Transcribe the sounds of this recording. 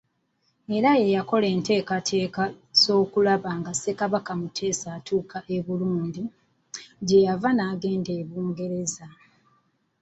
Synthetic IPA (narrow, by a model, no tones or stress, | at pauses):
e̞ɾaje̞jako̞le̞ːnte̞ːkatʰe̞ːka | z̥o̞ːkulaβaːŋɡase̞kaβakamutʰe̞ːsaːtʰuːkʰaʔe̞βuluːndi | ɟe̞javanaːɡe̞ːnde̞ːβuːŋɡe̞ɾe̞za